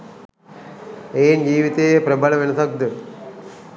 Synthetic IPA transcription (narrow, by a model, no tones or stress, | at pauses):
eːnd͡ʒiːʋit̪ejepɾɐbɐlɐʋenɐsɐk̚d̪ɨ